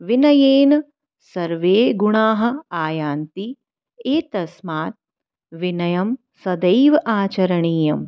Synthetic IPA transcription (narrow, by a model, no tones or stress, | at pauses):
ʋinɐjeːnɐ | sɐɾʋeːɡuɳaːɦɐ̆aːjaːnt̪i | eːt̪ɐsmaːt̪̚ | ʋinɐjɐm | sɐd̪ɐjʋɐʔaːt͡ʃɐɾɐɳiːjɐm